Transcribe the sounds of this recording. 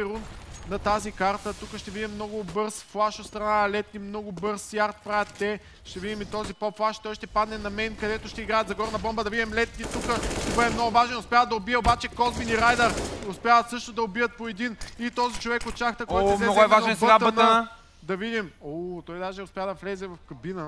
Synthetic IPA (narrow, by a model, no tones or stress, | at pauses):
ɛɾunnɐt̪azikaɾt̪ət̪ukəʃt̪ɛvid̪imːnɔɡʊbɤɾsflˠaʃot̪st̪ɾɐnaɐlɛt̪nimnɔɡʊbɤɾssjaɾt̪̚pɾavət̪ːɛ | ʃt̪ɛvid̪imit̪ɔzipɔpflˠaʃt̪ɔjʃt̪ɛpad̪nɛnɐmɛnkɐd̪ɛt̪oʃt̪ɛiɡɾajət̪zɐɡɔɾnɐbɔmbəd̪ɐvid̪imlɛt̪nit̪ukəʃt̪ɛbɤd̪ɛmnɔɡʊvaʒɛnʊspʲjavəd̪ɐobiɛobat͡ʃɛkɔzbiniɾajd̪əɾʊspʲjavəsɤʃt̪od̪ɐobijət̪̚poɛd̪init̪ɔzit͡ʃovɛkot͡ʃaxt̪əkoɔjt̪mɛnɔɡ̪oɛvaʒɛnsbəaən | d̪ɐvid̪imot̪ɔjd̪aʒɛʊspʲjavd̪ɐflɛzɛvɐfkɐbinə